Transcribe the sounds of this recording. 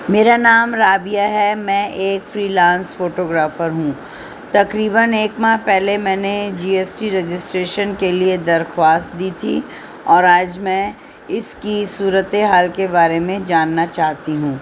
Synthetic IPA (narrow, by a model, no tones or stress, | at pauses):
meːɾanaːmɾaːbijaɦɛmɛ̃ːʔeːkfɾiːlãːnsfoːʈoːɡɾaːfəɾɦũː | t̪ɐkɾiːbəneːkmaɦpɛɦlemɛ̃ːned͡ʒiːeːsʈiɾɛd͡ʒɪsʈɾeːʃənkelied̪ɐɾxwaːst̪̚d̪iːt̪ʰḭ | ɔːɾaːd͡ʒmɛ̃ | ɪskisuːɾət̪eɦaːlkebaːɾemẽd͡ʒaːnːat͡ʃaːɦt̪iɦũː